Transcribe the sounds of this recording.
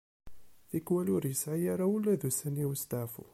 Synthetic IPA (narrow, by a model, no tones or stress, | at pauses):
θikwælʊɾjəsʕijaɾˤawəlːæðusæniwəst̪aʕfṵ